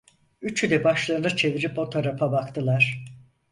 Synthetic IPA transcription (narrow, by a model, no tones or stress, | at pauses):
yt͡ʃʰyd̪ɛbaʃlˠaɾɯnɯt͡ʃʰe̞viɾipo̞t̪ʰoɾapabakt̪ʰɯlˠaɾ̥